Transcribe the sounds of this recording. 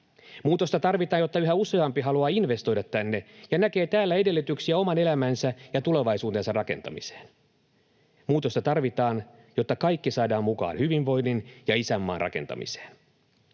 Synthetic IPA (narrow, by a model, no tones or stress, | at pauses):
muːt̪o̞st̪ɑt̪ɑrʋit̪ɑːnjo̞t̪ːɑyɦæuse̞ɑmpiɦɑluɑːinʋe̞st̪o̞jdɑt̪ːænːejɑnæke̞ːt̪æːlːæe̞de̞lːyt̪yksiæo̞mɑne̞læmænsæjɑt̪ule̞ʋɑjsuːt̪ensɑrɑke̞̰nt̪ɑ̰mise̥ːn | muːt̪ost̪ɑt̪ɑrʋit̪ɑːn | jo̞t̪ːɑkɑjkːisɑːdɑːmmukɑ̰ːnhyʋiʋʋo̞jnːinjɑisæmːɑ̰ːnrʔɑ̰ke̞nt̪ɑ̰mḭse̥ːn